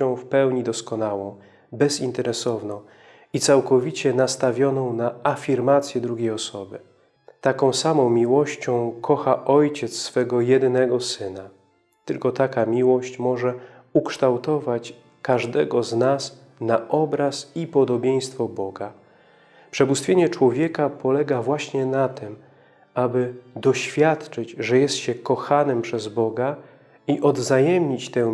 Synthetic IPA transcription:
ɔ̃w̃fpɛwɲid̪ɔskɔnawɔ̃w̃ | bɛzint̪ɛɾɛsɔvnɔ̃w̃ | it̪sawkɔvʲit͡ɕɛnast̪avʲjɔnɔ̃w̃naafʲiɾmat̪sʲjɛd̪ɾuɡʲejɔsɔbɘ | t̪akɔ̃w̃samɔ̃w̃mʲiwɔɕt͡ɕɔ̃w̃kʰɔxaʔɔjt͡ɕɛt̪ssːfɛɡɔjɛd̪nɛɡɔsɘna | t̪ɘlkɔt̪akamʲiwɔɕt͡ɕmɔʐɛ | ukʂt̪awt̪ɔvat͡ɕ | kaʐd̪ɛɡɔznas | naʔɔbɾasipɔd̪ɔbʲjej̃st̪fɔbɔɡa | pʂɛbust̪fʲeɲɛt͡ʂwɔvʲjɛkapɔlɛɡavwaɕɲɛnat̪ʰɘm | abɘd̪ɔɕfʲjat̪t͡ʂɘd͡ʑʐɛjɛst̪ɕɛkɔxanɘmpʂɛzbɔɡa | iʔɔd̪vzajɛmɲit͡ɕt̪ɛ̃

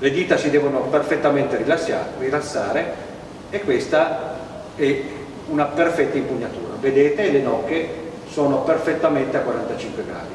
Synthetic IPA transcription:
led̪iːt̪asid̪ɛːvonoperfet̪ːament̪eɾilasarilasːaːɾeː | kːwest̪a | ɛ | unaperfɛt̪ːaimpuɲːat̪ṵːɾa̰ved̪eːt̪elenɔkːe | soːnoperfet̪ːament̪eakːwaɾant̪at͡ʃiŋkweɡɾa̰ːd̪i

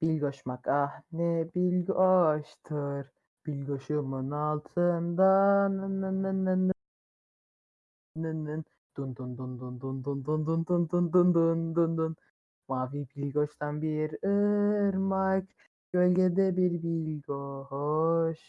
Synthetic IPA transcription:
b̥ilʲɡoʃmakahnɛbilʲɡoʃt̪ʰɯɾ | b̥ilʲɡoʃumɯnalˠt̪ʰɯnd̪anɯnːɯnːɯnːɯnː | nɯnːɯn | d̪̥und̪und̪und̪und̪und̪und̪und̪und̪und̪und̪und̪und̪und̪un | maːvibilʲɡoʃt̪ʰanbiɾɯɾmaɾk | bølʲɟʲɛd̪ɛbiɾbilʲɡoɦɔʃ

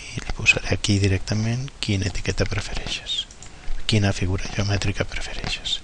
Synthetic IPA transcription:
ilpuz̥a̰ɾɛakiðiɾɛk̚t̪amẽnkinet̪i̥kɛt̪apɾefeɾɛʃe̥s | kinafiɣ̞uɾaʒeumɛt̪ɾikapɾəfeɾɛʃe̥s

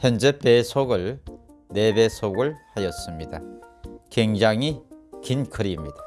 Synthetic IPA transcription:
çjʌnd͡ʑe̞pe̞sʰoɡɯɭ | ne̞be̞sʰoɡɯɭhajʌs͈ɯmɲid̥akweŋd͡ʑaŋikinkʰɯɾimɲida

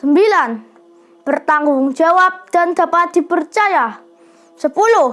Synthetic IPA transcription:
səmbilan | b̥ərt̪aŋɡʊŋd͡ʒawap̚d̪̥and̪apat̪̚d̪̥ipərt͡ʃaja | səpulʊ

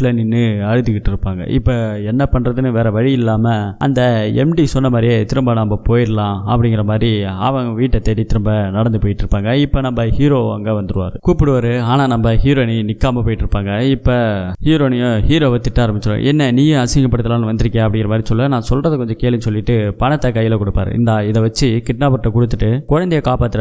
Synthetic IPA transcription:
lɐnɪnːɯɐɻɯðɯkɪʈːɪɾɯpːaːŋɡɐ̰ʔɪpːoɛnːɐpɐɳːɾɐðɯnɯʋeːɾɐʋɐɻɪjɪlːaːmɐɐ̰nd̪ɐɛmɖisɔnːɐmaːd̪ɾɪjet̪ɪɾɯmbɐnɐmbɐpoːjɪɾlãːɐ̰pːɐɽɪŋɡɪɾɐmaːd̪ɾiɐ̰ʋɐ̃ʋiːʈːɐt̪ːeːʈːit̪ɪɾɯmbɐnɐɽɐnd̪ɯpoːjɪʈːɪɾɯpːaːŋɡɐɪpːɐnɐmbɐhiːɾoːʋa̰ːŋɡɐʋɐnd̪ɯɾɯʋa̰ːɾɯkuːpːɪɽɯʋɐɾɯaːnaːnɐmbɐhiːɾoːninɪkːaːmɐpoːjɪʈːɪɾɯpːaːŋɡɐɪpːɐhiːɾoːnɪjohiːɾoːʋɐt̪ːɪʈːaːɾɐmbɪt͡ʃːɪɾõ̰ʔɛnːɐniːjɐɐsɪŋɡɐpːɐɽɯt̪ːɐlaːnɯʋɐnd̪ɪɾɯkːẽːɐpːɐɽɪŋɡɪɾɐmaːd̪ɾisɔlːɐnãːsɔlrɐðɐkɔɲd͡ʒɔ̃keːlɪnsɔlːɪʈːɯpɐɳɐt̪ːɐkːɐjːɪlɐkɔɽɯpːa̰ːɾɯ̰ɪ̰nd̪aɪðɐʋɐt͡ʃːɯkɪʈnaːpɐʈːɐkɔɽɯt̪ːɯʈːɯkɔɻɐnd̪ɪjɐkaːpaːt̪ːɯɾɐ

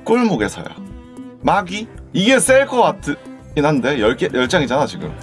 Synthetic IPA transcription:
k͈ɯɭmoɡe̞sʰa̰ja̰ | maɡiiɡe̞s͈eɭkʰʌwatʰɯinɦande̞jʌɭk͈jʌɭt͡ɕ͈aŋid͡ʑanat͡ɕiɡɯ̰m

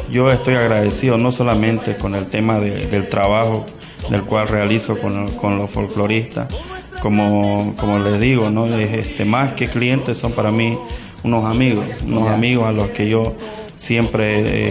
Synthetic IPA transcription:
ɟ͡ʝo̞e̞st̪o̞jaɣɾaðesiðono̞so̞lamẽ̞nt̪e̞ko̞ne̞lt̪e̞maðḛd̪e̞lt̪ɾaβaxo | d̪e̞lkwalrealiso̞konkonlosfolklo̞ɾist̪a̰s | komokomole̞zðiɣonoesest̪emaske̞klije̞nt̪esso̞mpaɾami | uno̞samiɣosunosamiɣosalo̞ske̞ʝo̞ | sje̞mpɾḛ

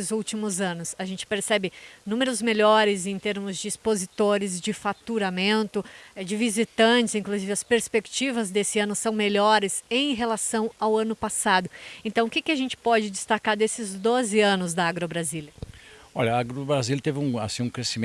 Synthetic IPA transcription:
ɪzuwt͡ʃimʊzɐ̃nʊsaʒẽnt͡ʃɪ̥peɾsɛbɪnũmeɾʊzmeʎɔɾɪzẽj̃t̪eɾmʊzd͡ʒɪːspozit̪oɾɪzd͡ʒɪfat̪uɾamẽnt̪ʊd͡ʒɪvizit̪ɐ̃t͡ʃɪzĩŋkluzivɪɐspeɾspekt͡ʃivɐzd̪esɪɐ̃nʊsɐ̃w̃meʎɔɾɪzẽj̃ɦelasɐ̃w̃awɐ̃nʊpasad̪ʊẽnt̪ɐ̃w̃ʊkɪkɪaʒẽnt͡ʃɪ̥pɔd͡ʒɪd͡ʒɪst̪akaɾd̪esɪzd̪ozɪɐ̃nʊzd̪ɐaɡɾobɾazilɐɔʎɐaɡɾobɾazilɐt̪evɪũa̰sĩũkɾesim̃

